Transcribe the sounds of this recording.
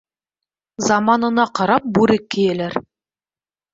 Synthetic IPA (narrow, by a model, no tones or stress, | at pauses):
zɑmɑnɤ̆nɑqɑɾɑp̚bʉɾɘkːɘ̆jɘ̆læɾ